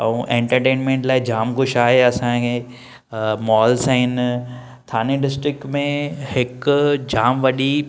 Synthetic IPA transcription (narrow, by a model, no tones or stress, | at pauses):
ɐũʔẽːɳʈəɾʈẽːnmẽːɳʈlaːɪd͡ʑaːmkʊʃaːɦeɐsãkʰe | mɔːlsaɦɪn | t̪ʰaːnẽɖɪsʈɾɪk̚mẽhɪkd͡ʑaːmʋɐɗi